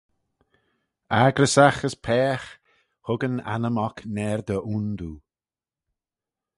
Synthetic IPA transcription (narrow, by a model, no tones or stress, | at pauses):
aɡɾəsaxəspʰɛːx | hʊɡəna̰nəmɔknɛɾd̪əʔund̪uː